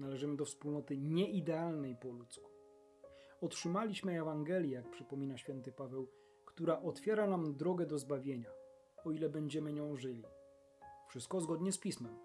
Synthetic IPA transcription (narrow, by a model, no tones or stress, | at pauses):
nalɛʐɘmɘd̪ɔfspulnɔt̪ɘɲɛʔid̪ɛalnɛjpɔlut̪sku̥ | ɔtʂɘmalʲiɕmɘɛvaŋɡɛlʲjɛjak̚pʂɘpɔmʲinaɕfʲjɛnt̪ɘpavɛw | kt̪uɾaʔɔt̪fʲjɛɾanamd̪ɾɔɡɛd̪ɔzbavʲjeɲa | ɔilɛbɛɲd͡ʑɛmɘɲɔ̃w̃ʐɘlʲi | fʂɘst̪̚kɔzɡɔd̪ɲɛspʲismɛm